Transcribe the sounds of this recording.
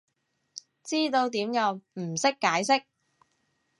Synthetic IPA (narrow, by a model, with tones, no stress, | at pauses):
t͡siː˥t̪o˧wt̪iː˨˥mjɐ˨˧wm̩˨˩sɪ˥kːaː˨˥jsɪ˥k̚